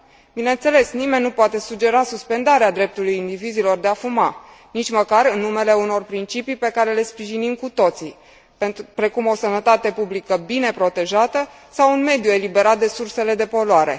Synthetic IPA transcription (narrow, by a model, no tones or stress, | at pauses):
bine̞nt̪se̞le̞snimenʲːupoat̪e̞sud͡ʒe̞ɾasuspe̞nd̪aɾead̪ɾe̞p̚t̪ulujind̪ivizilo̞rd̪eafuma | nit͡ʃʲməkaɾɨnːume̞le̞uno̞rpɾint͡ʃipijpe̞kaɾe̞le̞spɾiʒinimkut̪o̞t̪si | pɾe̞kumo̞sənət̪at̪e̞publikəbine̞pɾo̞t̪e̞ʒat̪ə | sawunme̞d̪jue̞libe̞ɾat̪̚d̪e̞surse̞le̞d̪e̞po̞loaɾe̞̰